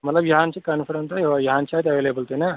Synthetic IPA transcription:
mɐt̪ləbjɐɦãnt͡ʃʰikaːnfʰɐɾə̃nsajɦoajɐɦãːnt͡ʃʰaːjt̪ɐʋeːleːbəlt̪ena

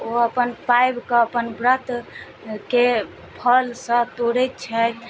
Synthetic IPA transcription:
oəpənpajbkəəpənbɾət̪ | ke | pʰəlsə̃t̪oɽɛt̪̚t͡ʃʰət̪

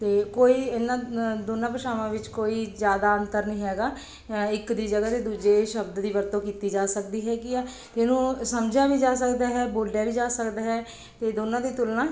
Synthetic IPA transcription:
t̪eːkoːiːɪnãːd̪oːnãːpəʃaːʋãːʋɪt͡ʃkoːiːzjaːd̪aːənt̪əɾnĩːɦɛːɡaː | ɪkd̪iːd͡ʒəɡaːt̪eːd̪uːd͡ʒeːʃəbd̪d̪iːʋəɾt̪õːkiːt̪iːd͡ʒaːsək̚d̪iːɦɛːɡiːaː | t̪eːnũːsəmd͡ʒãːbiːd͡ʒaːsəkd̪aːɦɛːboːlɖɛːbiːd͡ʒaːsəkd̪aːɦɛː | t̪eːd̪oːnãːd̪iːt̪ʊlnãː

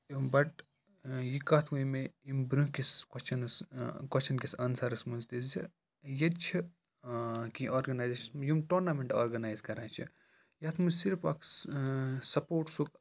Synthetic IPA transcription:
bɐʈ | jikat̪ʰʋuimeimbɾũkiskɐst͡ʃʰɐnskɐst͡ʃʰɐnkʲisɐnsɐɾɐsmunzt̪izi | jɐt͡ʃʰi | kiʔoːɾɡɐnaːjzeʃɐnsmjimʈoːɾnamẽɳʈa̰ːɾɡɐnaːjzkɐɾãːt͡ʃʰi | jɐt̪ʰmusiɾpa̰kʰ | sɐpoːʈsuk

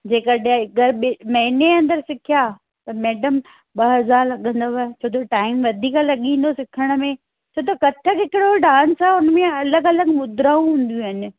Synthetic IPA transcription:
d͡ʑeːkəɗẽɡəɾɓɪmɐ̃ɦɪneɐ̃nd̪əɾsɪkʰijaː | t̪ɐmɛːɖəm | ɓɐɦɐzaːɾlɐɠə̃nd̪oʋt͡ɕʰoːt̪ʰoʈaːɪmʋɐd̪ʱiːklɐɠĩːn̆d̪osɪkʰəɽ̃ə̆mẽ | t͡ɕʰoːt̪ɐkɐt̪ʰəkɦɪkɪɽoɖaːnsɛʊnmẽɐləɡɐləɡmʊd̪ɾaːũɦũːn̆d̪ijũɦɪnɪ̆

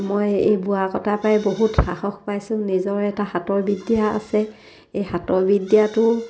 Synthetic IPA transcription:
mojejbuakɔtʰapajboɦutxaxɔxpajsʊ̃nizɔɹɛtahatɔɹbidijaa̰sɛ | ejhatɔɹbidijatʊ

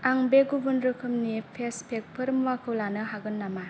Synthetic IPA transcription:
aŋbeɡubɯndɾɯkʰɯmnipʰespʰek̚pʰɯɾmwakʰɯwlanɯɦaɡɯnːama

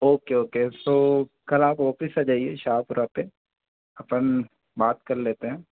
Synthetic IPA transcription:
oːkeoːket̪oː | kɐlaːpɔːfɪsad͡ʒaːieʃaːpʊɾape | ɐpən | baːt̪kɐɾleːt̪eɦɛ̃ː

